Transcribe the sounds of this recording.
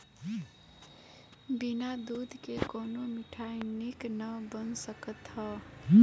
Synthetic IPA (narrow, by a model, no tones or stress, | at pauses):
binad̪ud̪ʱkekoːnomɪʈʰainiknəbənsəkət̪ɦə